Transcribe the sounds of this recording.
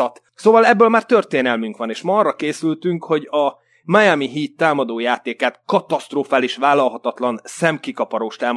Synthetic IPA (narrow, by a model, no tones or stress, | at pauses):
t̪ | soːvɒlɛbːøːlmaːrt̪ø̞rt̪eːnɛlmyŋkʋɒneːʃmɒɒrːɒkeːsylt̪yŋkho̞ɟɒ | majamiɦiːt̪ːaːmɒd̪oːjaːt̪eːkaːt̪kɒt̪ɒst̪roːfaːliʃʋaːlːɒlɦɒt̪ɒt̪lɒnsɛmkikɒpɒɾoːʃt̪aːm